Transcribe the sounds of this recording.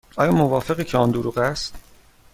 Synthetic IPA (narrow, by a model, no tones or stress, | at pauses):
ʔɒːjɒːmovɒːfe̞ɣiːcʰeɒːnd̪oɾuːɣæst̪